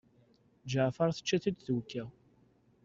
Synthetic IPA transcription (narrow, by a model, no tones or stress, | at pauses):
d͡ʒəʕfɑɾθə̥t͡ʃːæθid̪θuwkːæ